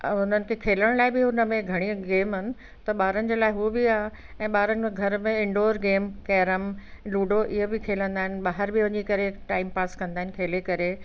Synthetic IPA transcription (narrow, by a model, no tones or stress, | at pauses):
ʊnənɪ̆kʰekʰeːləɽ̃laːɪbɪɦʊnəmẽɡʱɐɽ̃iəɡeːmɦʊnɪ̆ | t̪ɐɓaːɾənɪ̆d͡ʑeːlaːɪɦubɪaːɦe | ɛ̃ːɓaːɾənɪ̆ẽɡʱɐɾmẽɪ̃ɳɖoːɾɡeːmkɛːɾəmluːɖoʔɪɦobɪkʰeːlə̃nd̪aːɦɪnɪɓaːɦəɾbɪʋɐ̃ɲd͡ʑikɐɾeʈaːɪmpaːskɐ̃nd̪aːɦɪnɪkʰeːlekɐɾe